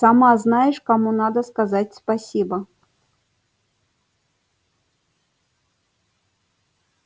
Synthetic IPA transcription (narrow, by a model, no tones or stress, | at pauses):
samaznajɪʂkamunad̪əskazatʲspasʲibə